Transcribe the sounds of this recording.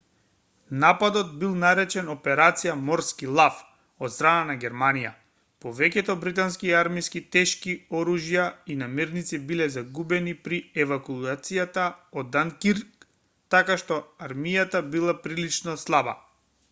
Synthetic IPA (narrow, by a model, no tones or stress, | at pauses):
napad̪ɔd̪̚bilˠnaɾɛt͡ʃɛnɔpɛɾat̪sijamɔɾskilˠaf | ɔt̪st̪ɾananaɡʲɛɾmanija̰ | pɔvɛkɛt̪ɔbɾit̪anskiɛaɾmijskit̪ɛʃkiɔɾuʒijainamɛɾnit̪sibilɛzaɡubɛnipɾiɛvakuat̪sijat̪aɔd̪ːankiɾk | t̪akaʃt̪ɔaɾmijat̪abilˠapɾilit͡ʃnɔslˠaba̰